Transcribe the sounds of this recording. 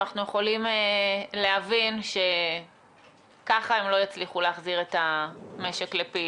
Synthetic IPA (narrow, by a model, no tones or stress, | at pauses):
aχnuje̞χo̞limele̞avinʃe̞ | kaχaemlo̞jat͡sliχuleaχziʁetame̞ʃeklepi